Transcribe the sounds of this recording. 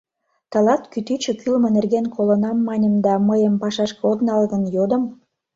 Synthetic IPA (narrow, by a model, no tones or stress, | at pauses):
t̪ɑlɑt̪kyt̪yt͡ɕəkylmə̆nerɣenkʰolə̆nɑmːɑnʲəmd̪ɑməjəmpɑʃɑʃkəod̪nɑlɣənjod̪ə̆m